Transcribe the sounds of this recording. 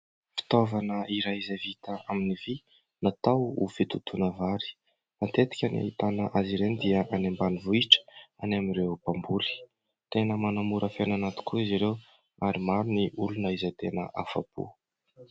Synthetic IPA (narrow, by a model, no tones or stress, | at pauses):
fi̥t̪ovanəʔiɾajizavit̪aaminivi | nat̪awṵfit̪ut̪ʰunəvaɾi̥ | ant̪et̪i̥kʲana̰ɦit̪anəʔaziɾenid̪iəʔanembanivuiʈ͡ʂə̥anamirewpambuli̥ | t̪enəmanamuɾəfenanat̪i̥kuiziɾew | aɾimaɾuniʔulunəizat̪enə̰ʔafa̰pṵ